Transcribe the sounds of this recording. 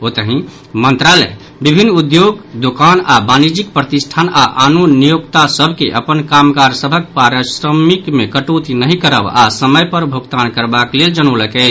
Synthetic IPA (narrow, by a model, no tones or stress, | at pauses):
ot̪əɦĩ | mənt̪ɾalɛ̰ | bibʱinːud̪joɡd̪okanabanid͡ʒik̚pɾət̪isʈʰanaʔanonijoɡt̪asəbʱkḛʔəpənkamkaɾsəbʱək̚paɾəsɾəmikmekəʈot̪inəɦĩkəɾə̰basəməjpəɾbʱoɡt̪ankəɾbakleld͡ʒənoləkɛɪt͡ʃʰ